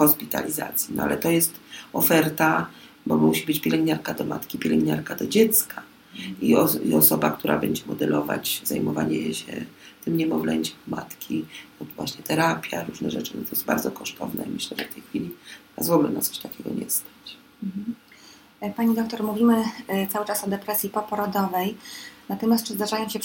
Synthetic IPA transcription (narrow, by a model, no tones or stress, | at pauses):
xɔspʲit̪a̰lʲiza̰t̪sʲjinɔa̰lɛt̪ɔjɛst̪ɔfɛɾt̪a | bɔmuɕibɘt͡ɕpʲjɛlɛŋɡɲaɾkad̪ɔmat̪kʲipʲɛlɛŋɡɲaɾkad̪ɔd͡ʑɛt̪ska | iɔiɔsɔbak̚t̪uɾʔa̰bɛɲd͡ʑɛmɔd̪ɛlɔva̰t͡ɕzajmɔvaɲɛɕɛt̪ɘmɲɛmɔvlɛɲʲt͡ɕɛ̥mmat̪kʲiɔd̪vwaɕɲɛt̪ɛɾapʲjaɾuʐnɛʐɛt͡ʂɘnt̪ɔjɛsba̰ɾd̪zɔkɔʂt̪ʰɔvnɛmɘɕlɛʐɛft̪ɛjxfʲilʲi | azvɔɡlɛnat̪sɔ̥ɕt̪akʲɛɡɔɲɛst̪ḁt͡ɕ̩ | paɲid̪ɔk̚t̪ɔɾmuvʲimɘt̪sawɘt͡ʂasɔd̪ɛpɾɛsʲjipɔpɔɾɔd̪ɔvɛjnat̪ɔmʲast̪̚t͡ʂʂɨzd̪aʐajɔ̃ɕɛ